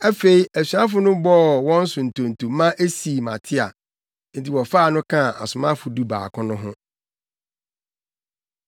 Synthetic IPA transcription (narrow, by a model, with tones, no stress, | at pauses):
æ˦fe˨i˨æ˨ɕᶣɥã˦fʊ˦nʊ̃˦bɔ˦˨wɔ̃˦n̩˦sʊ̃˨n̩˨tʰõ˨n˨tʰu˨˦mã˦ʔe˦si˨mã̰˨tʰɪ˦a̰˨ | n̩˦tʰi˨wɔ˨faː˦˨nʊ̃˦kʰã˦˨a̰˨sʊ˨mã˦fʊ˨du˦ba̰ː˨kʰʊ̃˦nʊ̃˦ɦʊ̃˦